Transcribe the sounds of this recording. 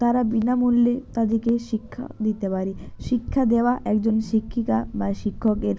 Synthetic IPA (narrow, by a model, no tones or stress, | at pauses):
t̪aɾabinamulːet̪ad̪ikeʃikʰːa̰d̪it̪epaɾiʃikʰːad̪eoaʔɛkd͡ʑonʃikʰːikabaʃikʰːokeɾ